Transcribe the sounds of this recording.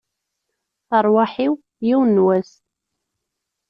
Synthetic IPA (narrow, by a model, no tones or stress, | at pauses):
θəɾˤwaħiw | jiwnwæs